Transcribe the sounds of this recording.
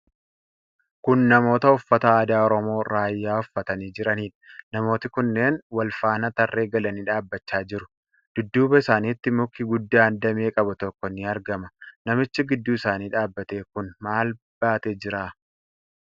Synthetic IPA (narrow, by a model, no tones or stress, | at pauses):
kʊnːɐmo̞ːt̪ɐʊfːɐt̪ɐaːd̪aːɔɾɔmo̞ːɾaːjːaːʊfːɐt̪ɐniːd͡ʒɪɾɐniːᶑɐ̥nɐmo̞ːt̪ɪkʊnːe̞ːnwɐlfaːnɐt̪ɐrːʔe̞ːɡɐlɐniːᶑaːbːɐt͡ʃːaːd͡ʒɪɾʊ̥ | d̪̥ʊd̪ːuːbɐɪsaːniːt̪ːɪmʊkːɪɡʊd̪ːaːnd̪ɐmeːkʼɐbɐt̪ɔkːɔnɪɐɾɡɐmɐnɐmɪt͡ʃːɪɡɪd̪ːuːɪsaːniːᶑaːbːɐt̪e̞ːkʊnmaːl | b̥aːt̪eːd͡ʒɪɾaː